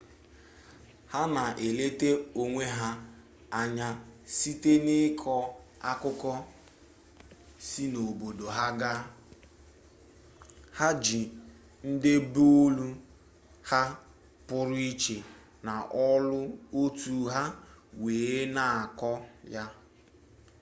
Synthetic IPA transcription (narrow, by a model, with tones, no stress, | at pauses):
ha˦na˨ʔe˨le˦te˦o˦ŋʷe˦ɦa˦ | a˦ɲa˦si˦te˦nɪ˦kʰɔ˦a˦kʊ˦kɔ˦ | si˦no˨bo˨do˨ɦa˦ɡa˦ | ha˦d͡ʒi˨ | n̩˦dɪ˦bo˦lu˦ | ha˦ | pʊ˦ɾʊ˦i˦t͡ʃe˨ | na˨ʔɔ˦lʊ˦o˦tu˦ɦa˦weː˨e˦na˨a˨kɔ˦ja˦